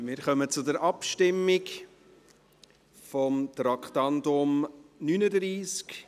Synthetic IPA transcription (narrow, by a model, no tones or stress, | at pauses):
mɪːɾχœmət͡sʊdəɾʔɑpʃtɪmːɪk | fɔmt̪ɾɑkχtɑndʊmnynədɾiːsk